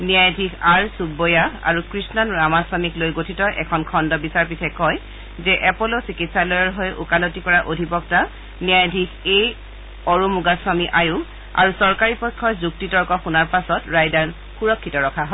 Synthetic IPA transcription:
niajdʱikʰaɹsubɔjaa̰ɹukɹisnɔnɹamaswamiklojɡotʰitɔʔɛ̰kʰɔnkʰɔndɔbisaɹpitʰɛkɔj | zɛʔɛpɔlɔsikitsalɔjɔɹɦojʔṵkalotikɔɹaʔodʱibɔk̚ta | nijajdʱikej | ɔɹumuɡaswamiʔajʊ̃ | a̰ɹusɔɹkaɹipɔjkʰːɔjzuk̚titɔɹkɔxunaɹpasɔtɹajdan | xuɹɔkʰːitɔɹɔkʰaɦɔ

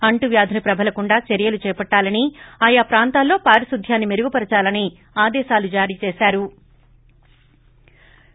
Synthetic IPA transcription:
ɐɳʈuʋjaːd̪ʱɐnɐpɾɐbʱɐlɐkuɳɖaːt͡ʃɐɾijɐlut͡ʃɛːpɐʈːaːlɐniaːjapɾaːnt̪aːlːo̞ːpaːɾisud̪ʱjaːnːimeɾuɡupɐɾɐt͡ʃaːlɐni | aːd̪ɛːʃaːlud͡ʒaːɾiːt͡ʃɛːsaːɾu

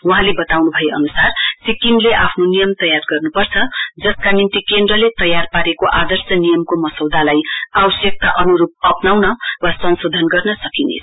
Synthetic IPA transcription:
wuɦãlebʌt̪awnubʱʌjeʌnusarsikinleʔapʰnonijʌmt̪ʌjarɡʌrnupʌrt͡sʰʌd͡zʌskanint̪ikend̪rʌlet̪ʌjarpaɾekoʔad̪ʌrsjʌnijʌmkomʌsʌwd̪ʱalajawʌsjʌk̚t̪aʔʌnuɾup̚ʌpnawnʌwasʌnsod̪ʱʌnɡʌrnʌsʌkinḛs

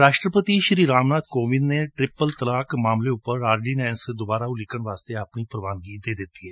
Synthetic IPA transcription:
ɾaːʃʈɾəpət̪iːʃɾiːɾaːmnaːd̪koːʋɪd̪neːʈɾɪpːəlt̪əlaːkmaːmleːʊpːəɾaːɾɖiːnɛ̃ːnsd̪obaːɾaːulɪkːəɳʋaːst̪eːapniːpɾəʋaːnɡiːd̪eːd̪ɪt̪ːiːɛː

